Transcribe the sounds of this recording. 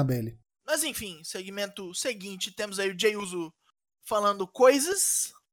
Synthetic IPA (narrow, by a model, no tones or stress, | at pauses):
abelɪ | mɐzẽj̃fĩseɡimẽnt̪ʊseɡĩnt͡ʃɪt̪ẽmʊzaiʊd͡ʒejuzʊ | falɐ̃nd̪ʊkojzɐs